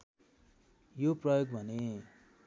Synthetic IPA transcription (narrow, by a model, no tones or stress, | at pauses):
joprʌjoɡbʱʌne